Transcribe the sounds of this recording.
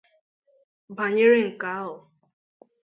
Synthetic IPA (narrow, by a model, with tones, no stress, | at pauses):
ba˨ɲɪ˦ɾɪ˦ŋ̩˨ka˨˦ʊ˨